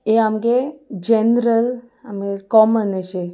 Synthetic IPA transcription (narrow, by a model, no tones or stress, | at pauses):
eamɡed͡ʑenɾəl | amɡekɔmənəɕe